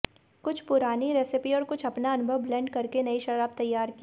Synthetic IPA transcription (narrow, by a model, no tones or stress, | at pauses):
kʊt͡ʃʰpʊɾaːniɾeːsɪpiɔːɾkʊt͡ʃʰɐpnaɐnʊbʱəʋːlɛ̃ːɳɖkɐɾkenɐiʃɐɾaːb̚t̪ɐjːaːɾki